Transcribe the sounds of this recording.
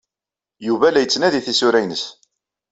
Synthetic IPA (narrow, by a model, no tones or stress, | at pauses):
juvælæjət͡sːnæðiθisʊɾæjnəs